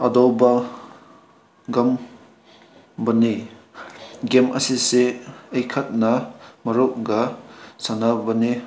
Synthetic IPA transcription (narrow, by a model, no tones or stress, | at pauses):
ɐdowbɐ | ɡɐm | bɐne | ɡemʔɐsiseejkʰɐt̚nɐmɐɾoʔ̚ɡɐsanabɐne